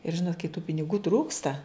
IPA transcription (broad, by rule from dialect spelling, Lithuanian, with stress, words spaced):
ɪr ˈʒʲɪnoːt kɐɪ tuː pʲɪnʲɪˈɡuː ˈtruːkstɐ